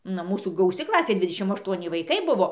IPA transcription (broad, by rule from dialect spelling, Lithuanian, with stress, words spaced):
ˈnɐ ˈmuːsuː ɡɐʊˈsʲɪ ˈklˠɑːsʲeː ˈdʲʋʲɪdʲɛʃʲɪm ɐʃˈtuɔnʲɪ ʋɐɪˈkɐɪ ˈbʊʋoː